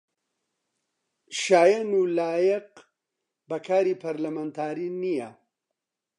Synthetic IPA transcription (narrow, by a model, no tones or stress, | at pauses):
ʃaːjɐnulaːjɛq | bɐkʰaːɾipʰɐɾlɐmant̪ʰaːɾinijɐ